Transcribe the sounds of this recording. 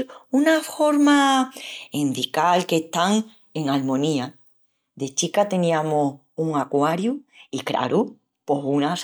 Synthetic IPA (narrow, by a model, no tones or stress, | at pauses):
unafo̞ɾma | ind̪ikalke̞ht̪aŋ | e̞ŋalmõnia | ðe̞t͡ʃikat̪e̞nĩamoh | uŋakwaɾjuikɾa̰ɾu | po̞ɦuna